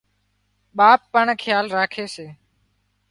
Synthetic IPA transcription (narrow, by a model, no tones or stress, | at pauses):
ɓaːpːəɳkʰjaːlɾaːkʰeːseː